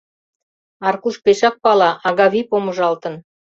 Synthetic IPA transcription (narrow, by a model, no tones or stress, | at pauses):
ɑrkuʃpeʃɑk̚pɑlɑʔɑɣɑβipomə̆ʒɑlt̪ə̆n